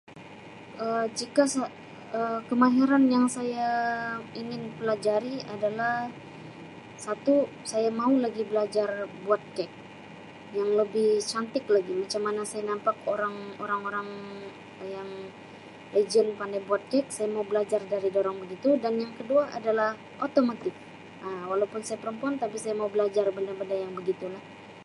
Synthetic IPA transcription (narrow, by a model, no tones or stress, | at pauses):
ʔəd͡ʒikasa | əkəmaɦɛɾanjaŋsaja | iŋɪnpəlad͡ʒaɾiadalah | sat̪u | sajamaulaɡibəlad͡ʒarbuat̪̚kɛk̚ | jaŋləbɪht͡ʃant̪ɪklaɡimat͡ʃamːanasajanampakoɾaŋoɾaŋoɾaŋ | jaŋ | ləd͡ʒəlpandajbuat̪̚kɛk̚sajamaubəlad͡ʒardaɾidoɾaŋbəɡit̪udanjaŋkəduaʔa̰dalah | ʔot̪omat̪ɪk̚ | ʔəwalaupʊnsajapəɾəmpuant̪apisajamaubəlad͡ʒarbəndabəndajaŋbəɡit̪ulah